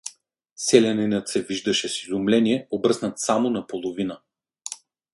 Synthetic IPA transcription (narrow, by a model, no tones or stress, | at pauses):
sɛlʲɛninət̪sɛviʒd̪ɐʃɛsizumlɛniɛobɤsnət̪samonɐpolˠovinə